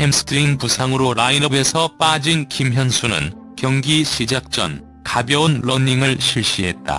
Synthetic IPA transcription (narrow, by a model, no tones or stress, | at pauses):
emsʰɯ̥tʰɾinpusʰaŋɯɾoɾainʌbe̞sʰʌp͈ad͡ʑinkimɦjʌnsʰunɯ̰n | kjʌŋɡiɕʰid͡ʑak̚t͡ɕ͈ʌ̰n | kabjʌunlʌɲiŋɯɭɕʰiɭɕ͈iɦe̞t̚t͈a̰